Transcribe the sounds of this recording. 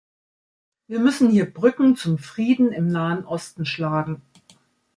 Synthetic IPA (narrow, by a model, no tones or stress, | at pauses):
viːɐmʏsn̩hiːɐbʁʏkŋ̩t͡sʊmfʁ̥iːdn̩ɪmnaːənʔɔstn̩ʃlaːɡŋ̩